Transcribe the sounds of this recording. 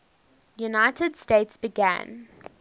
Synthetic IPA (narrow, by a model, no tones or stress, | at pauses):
junaɪtədsteɪtsb̥ɪɡæ̰̃n